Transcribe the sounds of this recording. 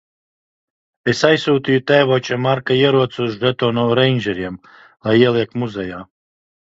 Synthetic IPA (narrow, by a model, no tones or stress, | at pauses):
esajsuːt̪ijut̪ɛːjvɔːt͡ʃamaɾkaiɛɾuɔt̪suzɾɛt̪ɔːnɔɾɛjnʲʒɛɾiɛm | lˠajiɛlˠiɛkmuzɛjaː